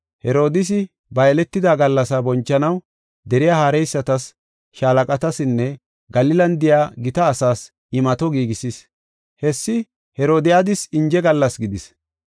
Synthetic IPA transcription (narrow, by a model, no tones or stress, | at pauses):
hɛɾo̞ːd̪ɪs̬ɪ | bɐjlɛt̪ːɪd̪aːɡɐlːɐsɐbɔnt͡ʃːɐnɐw | d̪ɛɾɪjaːhaːɾɛjsːɐt̪ɐs | ʃaːlɐkʼɐt̪ɐsɪnːɛ | ɡɐlɪlɐnd̪ɪjaːɡɪt̪ɐːsaːs | ɪmɐt̪ɔɡiːɡɪsis | hɛsːɪ | hɛɾo̞ːd̪ɪjad̪ɪsɪnd͡ʒɛɡɐlːɐsɡɪd̪ɪs